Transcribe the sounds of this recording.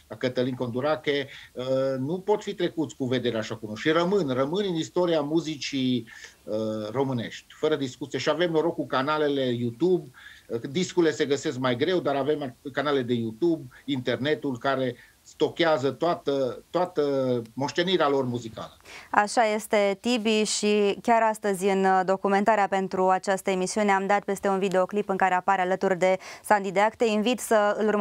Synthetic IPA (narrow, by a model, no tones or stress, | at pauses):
akət̪əliŋkond̪uɾakeənupo̞t̪fit̪ɾe̞kut̪sʲkuve̞d̪e̞ɾeaʃakunoʃirəmɨnrəmɨnɨnist̪o̞ɾiamuzit͡ʃi | əro̞mɨne̞̰ʃt̪ʲfəɾəd̪iskut̪sieʃiave̞mnoɾo̞kːukanale̞le̞jut̪ubd̪iskuile̞se̞ɡəse̞sk̚majɡɾe̞wd̪aɾave̞makanale̞d̪e̞jut̪ubint̪e̞rne̞t̪ulkaɾe̞ | st̪o̞kʲeazət̪oat̪ət̪ːoat̪əmo̞ʃt̪e̞niɾealo̞rmuzika̰ləaʃaje̞st̪e̞t̪ibiʃikʲaɾast̪əzʲɨnd̪o̞kume̞nt̪aɾeape̞nt̪ɾuat͡ʃast̪əe̞misiune̞amd̪at̪̚pe̞st̪e̞unvid̪e̞o̞klipɨŋkaɾe̞apaɾealət̪urd̪e̞sand̪id̪eakt̪einvit̪səɨlur